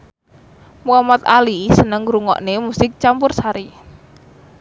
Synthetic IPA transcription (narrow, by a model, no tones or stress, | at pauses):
muamat̪a̰lisənəŋɾuŋɔ̰ʔnemusɪk̚t͡ʃampʊrsaɾi